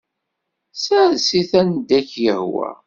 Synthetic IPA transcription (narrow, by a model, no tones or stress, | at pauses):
sasiθænd̪ækːjəhwæ̰